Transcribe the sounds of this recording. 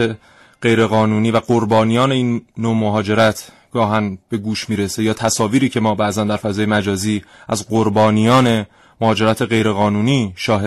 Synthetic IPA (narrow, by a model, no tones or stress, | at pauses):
e | ɢ̥ejɾe̞ɣɒːnuːniːvæɡoɾbɒːnijɒːne̞iːnːoːmoɦɒːd͡ʒe̞ɾæt̪ʰ | ɡ̥ɒːɦænb̥e̞ɡuːʃmiːɾe̞se̞jɒːt̪ʰæsɒːviːɾiːcʰe̞mɒːbæʔzænd̪æɾfæzɒːje̞mæd͡ʒɒːziːʔæzɢoɾbɒːnijɒːne̞ | mohɒːd͡ʒe̞ɾæːt̪ʰe̞ɣe̞jɾe̞ɣɒːnuːniːʃɒːɦe